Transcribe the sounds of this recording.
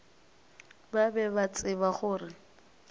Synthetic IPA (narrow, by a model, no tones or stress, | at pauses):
babɛbat͡sʼɪbaχʊːrɪ